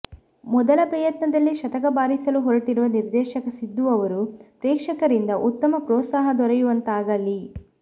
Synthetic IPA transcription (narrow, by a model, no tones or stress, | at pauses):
mɔd̪ɐlɐpɾɐjɐt̪nɐd̪ɐlːiʃɐt̪ɐkɐbaːɾisɐluɦoɾɐʈiɾuʋɐniɾd̪ɛːʃɐkɐsid̪ːuɐʋɐɾupɾɛːkʂɐkɐɾind̪ɐʔut̪ːɐmɐpɾɔːt̪saːɦɐd̪ɔɾɐjuʋɐnt̪aːɡɐlːi